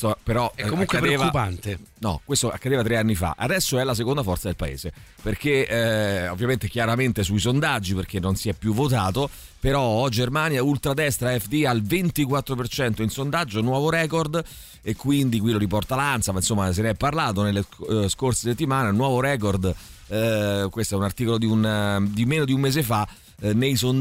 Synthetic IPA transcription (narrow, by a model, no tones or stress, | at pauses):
sopeɾɔɛkːomũŋkːwedpɾoeːvkːupant̪enɔ̰kwest̪oa̰kːad̪eːvat̪ɾeanːifa̰ʔa̰d̪ɛsːoɛlːas̬ekond̪afɔrt̪sad̪elpaḛːze | perk̟e | o̰vːjament̪ek̟jaɾament̪esuisond̪ad͡ʒːiperk̟enːonsiɛpːjuvːot̪aːt̪o | peɾɔɔd͡ʒermanjault̪ɾad̪ɛst̪ɾaɛfd̪ialvent̪ikwat̪ːɾopert͡ʃɛnt̪oinsond̪ad͡ʒːonwɔːvoɾɛːkord̪ | ekːwind̪ikwiloɾipɔrt̪alant̪samainsomːas̬enɛpːarlaːt̪onelːeskorseset̪ːimaːnenwɔːvoɾɛːkord̪ | kwest̪oɛunart̪iːkolod̪iund̪imeːnod̪iummeːzefa | nejson